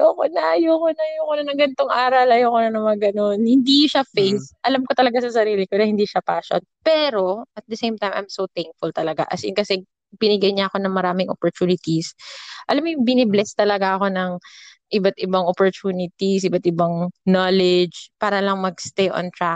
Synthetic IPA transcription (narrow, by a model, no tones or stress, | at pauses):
okonɐjoːkonɐjoːkonɐnɐŋɡɐnt̪oŋʔaːɾɐlɐjoːkonɐnɐmɐɡɐnonhɪnd̪iʃafejsʔɐlamkot̪ɐlɐɡasɐsɐɾiːlɪkoɾɐhɪnd̪iʃapaːʃo̰npɛːɾo̞ʔɐt̪̚d̪ɐsejmt̪ajmʔɐ̰jmsowt̪ɛŋk̚fʊlt̪ɐlɐɡa̰ʔɐsḭnkɐsɛ | b̥ɪnɪɡɐjɲɐʔɐko̞nɐŋmɐɾaːmɪŋʔo̰poɹt̪uːnɪt̪isʔɐlamjʊŋbɪnɛblɛst̪ɐlɐɡaʔɐko̞nɐŋ | ʔɪbat̪ɪbaŋopoɹt͡ʃuːnɪt̪isʔɪbat̪ɪbaŋnolɛd͡ʒpaːɾɐlɐŋmɐɡst̪ejʔo̰nt̪ɹa